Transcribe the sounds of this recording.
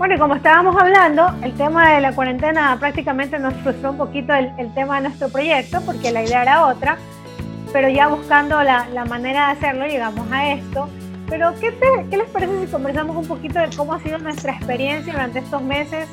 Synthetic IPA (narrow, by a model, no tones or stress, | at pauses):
bwe̞no̞iko̞moest̪aβamo̞saβland̪o̞e̞lt̪e̞maðe̞lakwaɾent̪e̞napɾak̚t̪ikame̞nt̪e̞no̞sfɾust̪ɾoumpo̞kit̪o̞elelt̪e̞maðe̞nwe̞st̪ɾo̞pɾo̞ʝe̞k̚t̪o̞po̞ɾke̞laiðeaeɾao̞t̪ɾa | pe̞ɾo̞ʝaβ̞uskand̪o̞lalamane̞ɾaðease̞ɾlo̞ʝe̞ɣamo̞sae̞st̪o̞ | pe̞ɾo̞ke̞t̪eke̞le̞spaɾesesiko̞mbe̞ɾs̬amosumpo̞kit̪o̞ðeko̞moasið̞o̞nwe̞st̪ɾaespe̞ɾje̞nsjaðuɾant̪eest̪o̞zme̞se̞s